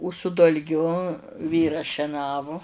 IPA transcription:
ʊ sʊ dɐlʲˈɡʲʊ ˈʋʲiːrɐs ʃʲɛˈnɑːʋʊ

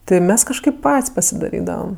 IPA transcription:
ˈtʲɪ ˈmʲɛs kɐʃˈkɐɪp ˈpɐtʲsʲ pɐsʲɪdɐˈrʲiːdɐʋɐm

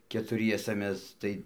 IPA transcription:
kʲɛtʊˈrʲiɛsɐ ˈmʲɛs ˈtɐɪ

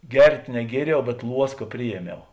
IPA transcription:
ˈɡʲɛrʲtʲ nʲɛˈɡʲiɛrʲɛʊ bʲɛt ˈlˠuɔskɐ ˈpʲrʲɪjiɛˌmʲɛʊ

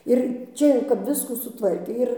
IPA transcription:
ɪr ˈt͡ʃʲɛ jɛʊ kɐp ˈʋʲɪskuː sʊˈtʋɐrʲkʲeː ˈɪr

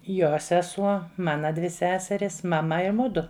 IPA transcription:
ˈjoː sʲɛˈsuɔ ˈmɑːnɐ dʲʋʲɪ ˈsʲæːsʲɛrʲiːs mɐˈmɐ ɪ ˈmʊdʊ

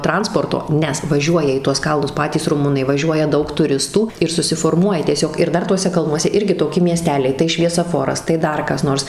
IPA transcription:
ˈtrɐnspoːrtoː ˈnʲɛs ʋɐˈʒʲuɔjɛ iː tuɔs ˈkɐlˠnʊs ˈpɑːtʲiːs rʊˈmʊnɐɪ ʋɐˈʒʲuɔjɛ ˈdɐʊk tʊˈrʲɪstuː ɪr sʊsʲɪfoːrˈmuɔjɛ tʲiɛˈsʲoːk ɪr ˈdɐr ˈtuɔsʲɛ ˈkɐlˠnuɔsʲɛ ˈɪrʲɡʲɪ toːˈkʲɪ mʲiɛˈsʲtʲæːlʲɛɪ tɐɪ ʃʲʋʲiɛsɐˈfoːrɐs tɐɪ ˈdɐr kɐs ˈnoːrs

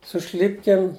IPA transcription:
sʊ ˈʃʲlʲɪpʲkʲeːm

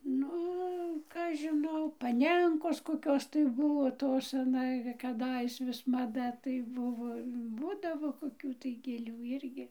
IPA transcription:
ˈnʊ ˈkɐ ɐʃ ʒʲɪˈnɐʊ pɐˈnʲɛŋkoːs koːˈkʲoːs tɐɪ ˈbʊʋoː ˈtoːs ɐˈnɐ kɐˈdɐɪs ʋʲɪs mɐˈdɐ tɐɪ ˈbʊʋoː ˈbuːdɐʋoː koːˈkʲuː tɐɪ ɡʲeːˈlʲuː ˈɪrʲɡʲɪ

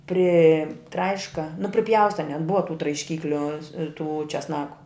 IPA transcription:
pʲrʲɪˈtrɐɪʃkɐ nʊ pʲrʲɪˈpʲjɛʊstɐ nʲɛt ˈbʊʋɐ tuː trɐɪʃʲˈkʲiːklʲʊ tuː t͡ʃʲɛsˈnɑːkʊ

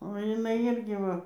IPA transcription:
oː jɪˈnɐɪ ˈɪrʲɡʲɪ ˈʋɐ

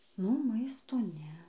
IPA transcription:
nʊ ˈmɐɪstoː ˈnʲɛ

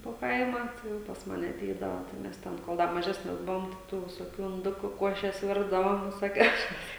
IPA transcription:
poː ˈkɐɪmɑː jɛʊ pɐs ˈmɑːnʲɛ ɐˈtʲɛɪdɐʋɐ tɐɪ ˈmʲɛs ˈtʲɛn koːlˠ ˈdɐ mɐˈʒʲæːsʲnʲɛs ˈbʊʋoːm tʲɛ ˈtuː ʋʲɪsoːˈkʲuː ɪnˈdʊkuː ˈkuɔʃʲɛs ˈʋʲɪrdɐʋoːm ʋʲɪsoːˈkʲɛʊsʲɛs

